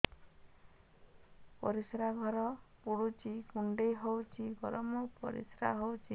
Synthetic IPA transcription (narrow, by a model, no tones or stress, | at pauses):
pɔ̰ɾisɾaɡʱɔɾɔpuɽut͡ʃikuɳɖejɦowt͡ʃʰiɡɔɾɔmɔpɔ̰ɾḭsɾa̰ɦowt͡ʃʰi